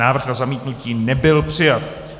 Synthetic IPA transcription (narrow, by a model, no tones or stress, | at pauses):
aːvr̩xnazamiːt̪nuciːnɛbɪlpr̝̥ɪjat̪